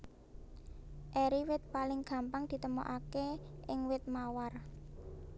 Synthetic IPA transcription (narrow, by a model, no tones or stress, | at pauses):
ʔɛɾiwɪt̪̚palɪŋɡ̥ä̤mpaŋd̪̥i̤t̪əmo̰ʔakeɪŋwɪt̪̚mawar